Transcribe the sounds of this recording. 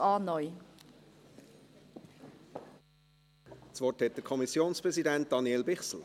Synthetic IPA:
ɑːnɔj | t͡svɔthɛt̚d̥əkʰɔmisjoːnspʁɛzidænt̚d̪̥ɑnjɛlbɪχsl̩

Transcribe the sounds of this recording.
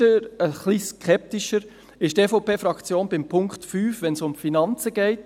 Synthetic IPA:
əɾəχliskʰɛp̚tiʃəɾ | ɪʃtefopeːfɾɑkt͡sjoːnbɪmpʰʊŋkχtfyːfʋɛnsʊmfinɑnt͡səɡ̥ɛɪt

